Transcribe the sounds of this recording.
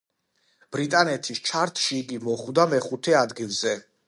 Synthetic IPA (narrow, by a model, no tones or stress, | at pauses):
b̥ɾit̪ʼanɛt̪ʰist͡ʃʰaɾt̪ʰʃiːɡimɔχvd̪amɛχut̪ʰɛad̪ɡilˠzɛ